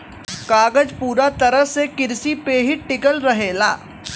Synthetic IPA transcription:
kaːɡəd͡ʒpuːɾat̪ɐɾəɦsekɪɾsipeːɦɪʈɪkəlɾɐɦeːla̰ː

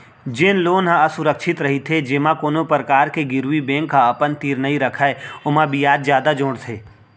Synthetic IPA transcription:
d͡ʒɪnloːnɦãɐsʊɾəkʃɪt̪ɾɐɦit̪ʰed͡ʒɪmãkoːnopɾəkaːɾkeɡɪɾwibɛ̃ːŋkːaɐpənt̪iːɾnɐiɾɐkʰaeʊmãbʱijaːd̪zjaːd̪ad͡ʒʊ̃ːɽt̪ʰeː

